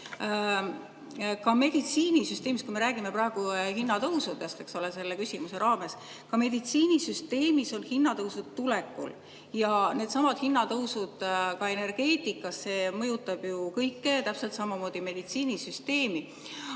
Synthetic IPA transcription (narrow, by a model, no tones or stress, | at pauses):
kɑme̞d̪̥it̪siːnisyst̪e̞ːmist̪kuime̞ɾæːɡ̥imeprɑeɡ̥uhinːɑt̪ɤwsud̪est̪e̞kso̞lese̞lːekysʲimuse̞ɾɑːme̞s | kɑme̞d̪̥it̪siːnisyst̪e̞ːmiso̞nhinːɑt̪ɤwsud̪̥t̪ːulɛkːˑṵl | jɑne̞ːd̪̥sɑmɑd̪̥hinːɑt̪ɤwsud̪̥kɑe̞ne̞rɡ̥e̞ːt̪ˑikːˑɑsse̞ːmɤjut̪ːˑɑb̥jukɤjkːe̞t̪æpse̞lt̪sɑmɑmoːd̪̥ime̞d̪it̪siːnisyst̪e̞ːmi